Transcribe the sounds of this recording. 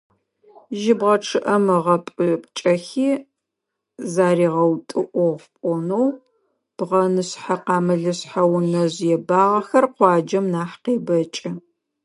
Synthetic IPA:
ʒɪbʁɐʈ͡ʂʰɨʔɐmɨʁɐpʼɨpʼt͡ʃʼɐxiː | zaːriːʁɐwtʼɨʔʷɔʁpʷʼɔnow | b̥ʁɐnɨɕħaqɑːmɨɮɨɕħawʊnɐʑjɛbaːʁɐxɐrqʷɑːd͡ʒɐmnaːħqeːbɐt͡ʃʼɐ

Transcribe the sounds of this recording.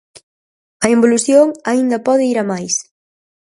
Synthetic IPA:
ɐemboluθjoŋɐind̪ɐpɔðɪiɾɐmajs

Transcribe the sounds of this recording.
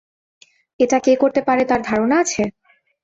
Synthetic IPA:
eʈakekoɾt̪epaɾet̪aɾd̪ʱaɾonaat͡ɕʰe

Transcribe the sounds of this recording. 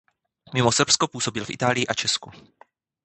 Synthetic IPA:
mɪmosr̩pskopuːso̞bɪlfʔɪ̰t̪aːlɪjɪʔat͡ʃɛsku

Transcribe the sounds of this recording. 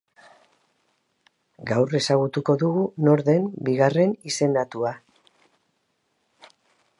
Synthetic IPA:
ɡawre̞saɣut̪uko̞ðuɣuno̞ɾðe̞mbiɣare̞nise̞nd̪at̪ua

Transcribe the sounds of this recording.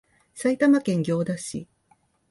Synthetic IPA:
sait̪amakẽ̞ŋɡʲo̞ːd̪aɕḭ

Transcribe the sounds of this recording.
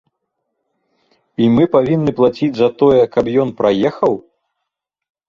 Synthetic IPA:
imɨpavʲinːɨplˠat͡sʲid͡zʲzɐt̪ɔjɛkɐpjɔnpɾajɛxɐw

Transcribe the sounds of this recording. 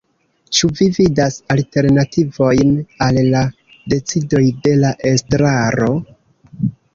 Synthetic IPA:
t͡ʃuvividasalte̞ɾnativo̞jnalːa | de̞t͡sido̞jde̞laʔe̞stɾaɾo̞

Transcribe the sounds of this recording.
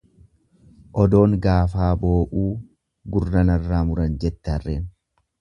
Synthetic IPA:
ʔɔd̪o̞ːŋɡaːfaːbo̞ːʔuː | ɡʊrːɐnɐrːaːmʊɾɐnd͡ʒɛt̪ːɛɐrːeːn

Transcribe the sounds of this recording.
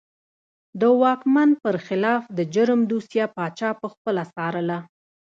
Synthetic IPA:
d̪əwɑkmanpəɾxɪlɑfd̪əd͡ʒʊɾmd̪usjɑpɑt͡ʃɑpəxpəlasɑɾəla

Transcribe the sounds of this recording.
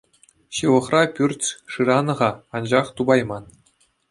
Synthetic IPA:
ɕɯʋɤ̆χrɑpʲyrʲt͡sʲʂɯɾɑnɤ̆ʁɑɑnd͡ʑɑχt̪ubɑjmɑn

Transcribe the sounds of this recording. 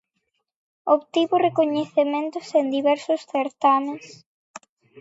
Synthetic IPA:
oβt̪iβʊrekoɲeθemẽnt̪ʊsend̪iβɛɾsʊsθeɾt̪ames

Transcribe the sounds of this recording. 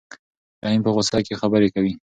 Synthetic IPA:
d̪ainpəɣʊsakexabəɾekawi

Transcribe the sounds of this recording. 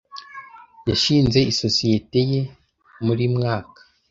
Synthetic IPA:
jaʃiːnze̞iso̞sije̞te̞je | muɾiːmŋaːkḁ

